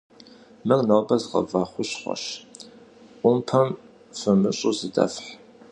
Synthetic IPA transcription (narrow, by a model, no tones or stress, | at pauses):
mɨrnowbɐzʁɐ̰vɑːχʷʊɕχʷɔ̰ɕ | ʔʷʊmpʰɐm | fɨmɨɕʼʊzɨdɐ̰fħ